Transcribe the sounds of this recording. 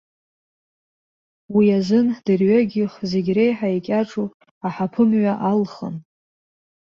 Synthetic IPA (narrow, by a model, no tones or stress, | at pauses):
wiazʷɨnd̥ɨrɥaɡʲiχze̞ɡʲre̞jħaekʲʼaʈ͡ʂʼu | aħapʰɨmɥaʔalχə̰n